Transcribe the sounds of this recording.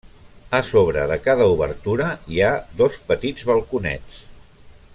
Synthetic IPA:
əsoβ̞ɾəðəkaðəuβəɾt̪uɾəiaðɔspət̪id͡zβəlˠkunɛ̰t͡s

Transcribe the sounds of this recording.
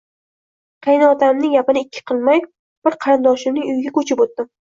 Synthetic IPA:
qʰejnaɒt̪ʰamnɪŋjapɪnɪɪkʲʰːɪ̥qʰɨlˠmaj | b̥ɪɾqʰɑɾɪnd̪ɒʃɪnɪŋʊjɡʲakʰɵt͡ʃʰɪpot̪ːɪm

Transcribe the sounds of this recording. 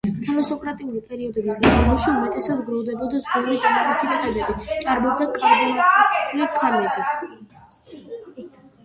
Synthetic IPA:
t̪ʰɛlˠɔsɔkʼɾat̪ʼiulipʼɛɾiɔd̪ɛbizɡalɔʃiumɛt̪ʼɛsad̪ɡɾɔvd̪ɛbɔd̪azɡɔɾɾid̪ak̪ʼɔit͡ʃʼχʼɛd̪ɛbit͡ʃʼaɾbɔb̚d̪akʼaɾɡɔnat̪ʼlikʰaɾmɛbi

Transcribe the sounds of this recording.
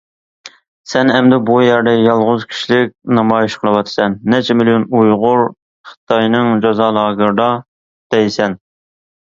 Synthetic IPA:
sɛnɛmd̪ɪbujɛɾd̪ɛjɑlˠʁʊzkʲʰi̥ʃilɪk̚ʲnɑmɑjiʃqʰəlˠəwɑt̪ʰɨ̥sɛnːɛt͡ʃʰɛmɪlijonujʁʊɾ | χɨ̥t̪ʰɑjnɨŋd͡ʒɑzɑːlˠɑːɡɨɾd̪ɑ | d̪̥ɛjsɛn

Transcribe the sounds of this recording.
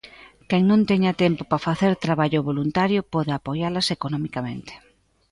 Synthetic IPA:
kɛŋnõnt̪ɛɲat̪ɛmpopafaθeɾt̪ɾaβaʎʊβolunt̪aɾjopɔðeapojalɐsekonɔmikamẽnt̪e̥

